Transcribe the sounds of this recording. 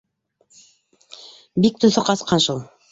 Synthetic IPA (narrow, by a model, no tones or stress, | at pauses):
bik̚t̪ɵ̆θoqɑsqɑnʃulˠ